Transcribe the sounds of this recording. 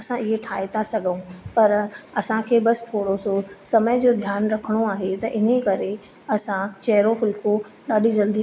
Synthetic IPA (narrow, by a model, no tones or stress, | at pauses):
ɐsãɪɦeʈʰaːet̪ʰasɐɡʱəũpɐɾɐsãkʰeːbɐsɪ̥t̪ʰoːɽososɐməd͡ʑoːd̪ʱjaːnɾɐkʰəɽ̃oaːɦet̪ɐʔɪnekɐɾe | ɐsãt͡ɕɐɦɪɾofɪlko | ɗaːɗizɐld̪i